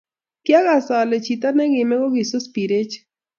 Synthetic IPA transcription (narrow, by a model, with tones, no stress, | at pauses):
kja˦ka˨sa˨le˨t͡ʃi˨t̪a˦nɛ˦ɡɪ˨mɛ˦ɡɔ˦ɡɪ˨so˦spi˨ɾe˦t͡ʃ